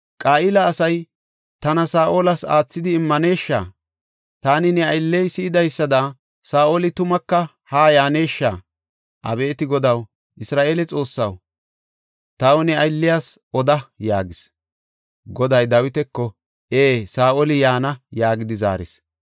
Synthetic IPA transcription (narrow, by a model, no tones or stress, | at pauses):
kʼaːʔɪlɐːsɐj | t̪ɐnɐsaːʔoːlɐsa̰ːt͡sːɪd̪ɪːmːɐne̞ːʃːa̰ː | t̪aːnɪnɛɐjlːɛjsɪːd̪ɐjsːɐd̪ɐ | saːʔolɪt̪ʊmɐkːɐ | haːjaːne̞ːʃːaː | ʔɐ̰be̞ːt̪ɪɡɔd̪ɐw | ʔɪsɾaːʔe̞ːlɛt͡sʼo̞ːsːɐw | t̪ɐwnɛɐjlːɪjaːs | ɔd̪ɐjaːɡɪs | ɡɔd̪ɐjd̪ɐwɪt̪ɛkːɔ | eːsaːʔolɪjaːnɐjaːɡɪd̪ɪza̰ːɾɪ̰s